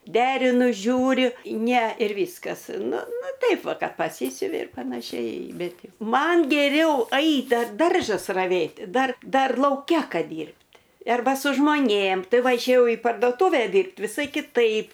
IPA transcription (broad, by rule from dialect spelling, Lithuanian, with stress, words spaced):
ˈdʲæːrʲɪnʊ ˈʒʲuːrʲʊ nʲɛ ɪr ˈʋʲiːskɐs ˈnʊ ˈnʊ ˈtɐɪp ˈʋɐ ˈkɐt pɐˈsʲiːsʲʊʋʲɪ ɪr pɐnɐˈʃʲɛɪ ˈbʲɛt ˈjɛʊ ˈmɐn ɡʲɛˈrʲɛʊ ˈɐɪt dɐr ˈdɐrʒɐs rɐˈʋʲeːtʲ ˈdɐr ˈdɐr lˠɐʊˈkʲɛ ˈkɐt ˈdʲiːrʲpʲtʲ ˈɐrbɐ sʊ ʒmoːˈnʲeːm ˈtɐɪ ˈʋɐ ɪʃʲeːˈjɛʊ iː pɐrdoːˈtuːʋʲɛ ˈdʲiːrpt ʋʲɪˈsɐɪ kʲɪˈtɐɪp